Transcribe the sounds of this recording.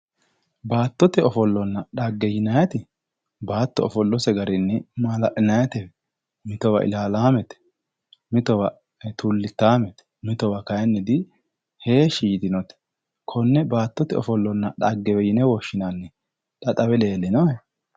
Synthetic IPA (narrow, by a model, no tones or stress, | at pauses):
baːt̪ːɔt̪ɛɔfɔlːɔnːɐᶑɐɡːɛjɪnɐjɐt̪ɪ | baːt̪ːɔɔfɔlːɔsɛɡɐɾɪnːɛmɐlɐʔnɐjɐt̪ɛ | mɪt̪ɔwɐ̰ʔɪ̰laːlaːmɛt̪ɛ̥ | mɪt̪ɔwɐ | t̪ulːɪt̪ːaːmɛt̪ɛ̥ | mɪt̪ɔwɐkɐjɐnːɪd̪ɪ | heːʃiːt̪ɪnɔt̪ɛ̥ | kʰɔnːɛbaːt̪ːɔt̪ɛɔfɔlːɔnːɐᶑɐɡːɛwɛjɪnɛwɔʃːɪnanːɛ | ᶑɐt̪ʼɐwɛleːlːɪnɔɛ